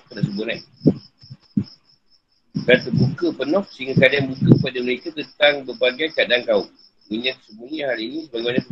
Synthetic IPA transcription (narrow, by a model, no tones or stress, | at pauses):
kədaʔsəbuna | bat̪əbukəpənɔk̚səiŋɡakadaanbukəpadəməɾekat̪ənt̪aŋbərbaɡajkadaŋkauʔ | muɲãt̪ə̥səbunihaɾiinĩsəbaɡemanat̪